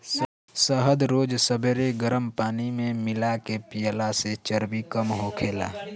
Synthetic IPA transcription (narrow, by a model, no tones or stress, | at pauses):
səɦəd̪ɾoːd͡ʒsəbʱeɾeɡəɾəmpaːnimẽmɪlakepijəlaset͡ʃəɾbikəmɦokʰeːla̰ː